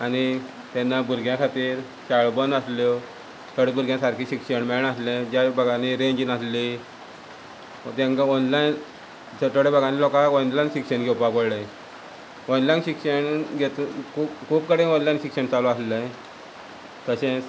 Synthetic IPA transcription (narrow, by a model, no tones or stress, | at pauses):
ani | t̪ɛnːabuɾɡjãkʰat̪iːɾ | t͡ɕaɭbənd̪aslo | t̪ʰəɽebʱuɾɡjãsaɾkʰiɕikɕəɳmɛɳaslẽd͡ʑabəɡʱaniɾẽɲd͡ʑinasli | t̪ẽŋkaɔnlain | d͡ʑət̪əɽebəɡʱanilɔkaɔnlajnɕikɕəɳɡʱɛwpakəɽlə̃ | ɔnlajnɕikɕəɳɡʱet̪ukʰukʰuːp̚kəɽẽɔnlajnɕikɕəɳt͡salɔaslə̃ | t̪əɕẽ